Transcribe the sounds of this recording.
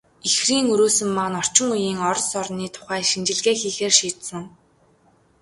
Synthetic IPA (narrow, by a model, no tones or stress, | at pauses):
ixriːŋɵɾoːsɵ̆mːanɔr̥t͡ɕɪ̆ŋujiːŋɔɾ̆sɔrniːt̪ʰʊ̥χæːʃint͡ɕɪ̆ɮɣeːxiːxeːrʃiːt̪sɘ̆ŋ